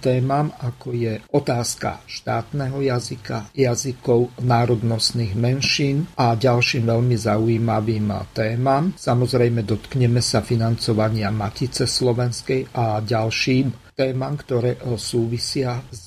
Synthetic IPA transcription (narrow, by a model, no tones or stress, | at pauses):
t̪ɛːmamakɔjɛɔt̪aːska̰ʃt̪aːt̪nɛɦɔjazikajazikɔʊnaːɾɔd̪nɔst̪niːɣmɛnʃiːnaɟalʃiːmʋɛʎmizaujiːmaʋiːmt̪ɛːmamsamɔzɾɛjmɛd̪ɔt̪kɲɛmɛsafinant͡sɔʋaɲɪamacit͡sɛslɔʋɛnskɛjaɟalʃiːmt̪ɛːmamkt̪ɔɾɛːsuːʋisɪaz